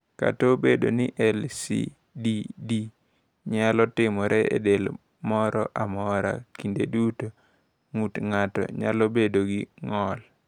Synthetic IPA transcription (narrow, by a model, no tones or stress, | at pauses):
ka̰tobedo̰nɪʔɛlsḭ | didi | ɲalɔtɪmɔɾɛḛdel | mɔɾɔ̰ʔamɔɾa̰kindeduto | ŋutŋatɔ̰ɲa̰lobedoɡɪŋɔl